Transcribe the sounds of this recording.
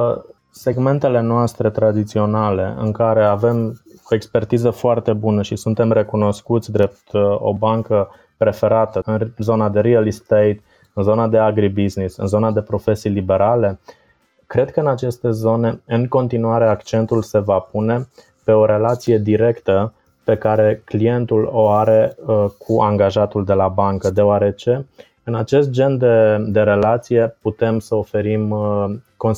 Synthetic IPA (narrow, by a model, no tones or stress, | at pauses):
se̞ɡme̞nt̪e̞le̞noast̪ɾe̞t̪ɾad̪it̪sio̞nale̞̰ɨ̰ŋkaɾe̞ave̞mo̞e̞kspe̞rt̪izəfoart̪e̞bunəʃisunt̪e̞mre̞kuno̞skut̪sʲd̪ɾe̞p̚t̪o̞̰baŋkə | pɾe̞fe̞ɾat̪əɨnzo̞nad̪e̞ɾialist̪ejt̪̚ | ɨnzo̞nad̪e̞aɡɾibiznisɨ̰nzo̞nad̪e̞pɾo̞fe̞sijlibe̞ɾale̞ | kɾe̞d̪kəɨnat͡ʃe̞st̪e̞zo̞ne̞ɨŋko̞nt̪inuaɾe̞akt͡ʃe̞nt̪ulse̞vapune̞ | pe̞o̞ɾe̞lat̪sije̞d̪iɾe̞kt̪ə | pe̞kaɾe̞klie̞nt̪ulo̞aɾe̞kʰuʔaŋɡaʒat̪uld̪e̞labaŋkəd̪e̞oaɾe̞t͡ʃe̞ | ɨnat͡ʃe̞st̪̚d͡ʒe̞nd̪ed̪e̞ɾe̞lat̪sije̞put̪e̞msəofe̞ɾim | ko̞n